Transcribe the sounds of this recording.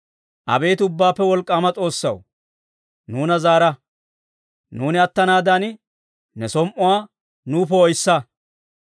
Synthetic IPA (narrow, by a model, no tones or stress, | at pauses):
ʔɐ̰be̞ːt̪ʊbːaːpːɛwɔlkʼːaːmɐt͡sʼo̞ːsːɐ̰w | nuːnɐzaːɾɐ | nuːnɪɐt̪ːɐnaːd̪an | nɛsɔmʔʊwaː | nuːpɛɔjsːɐ